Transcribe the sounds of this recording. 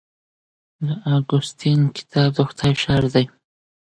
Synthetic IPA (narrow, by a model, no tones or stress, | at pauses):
d̪əaɡʊst̪inkɪ̥t̪ʰɑb̚d̪uxt̪ʰajʃɑɾd̪aj